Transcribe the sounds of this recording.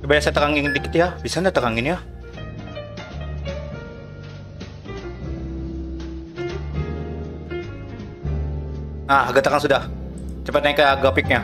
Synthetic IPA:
bajasat̪əkaŋɪŋdiki̥t̪jabisandat̪əkaŋɪnja | aaɡat̪akaŋsudah | t͡ʃəpat̪naɪkəɡapɪk̚ɲa

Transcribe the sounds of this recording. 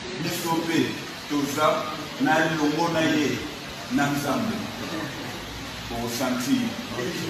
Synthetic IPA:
misope | toza | naloŋɔnaje | nanzambe | osãntʰi

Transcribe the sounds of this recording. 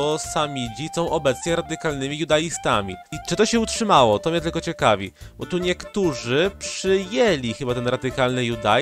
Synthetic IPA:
ɔsamʲid͡ʑisɔ̃w̃ʔɔbɛt̪sɲɛɾad̪ɘkalnɘmʲijud̪ajist̪amʲḭit͡ʂɨt̪ɔɕɛutʂɘmawɔt̪ɔmʲɛt̪ɘlkɔt͡ɕɛkavʲḭbɔt̪uɲɛkt̪uʐɘpʂɘjelʲixɘbat̪ɛnɾad̪ɘkalnɘjud̪a

